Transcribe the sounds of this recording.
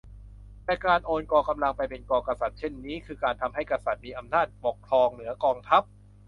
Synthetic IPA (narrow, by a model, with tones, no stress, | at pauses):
lɛː˨˧˩kaː˧nʔoː˧nkɔː˧ka˧mla˧ŋpa˧jpe˧nkɔː˧ka˧sa˨˩t̪̚t͡ɕʰe˥˩nːiː˦˥kʰɯː˧kaː˧nt̪ʰa˧mɦa˥˩jkɾa˧sa˨˩t̪̚miː˧ʔa˧mnaː˥˩t̪̚po˨˩kʰlɔː˧ŋnɯ˩˦ɐkɔː˧ŋt̪ʰa˦˥p̚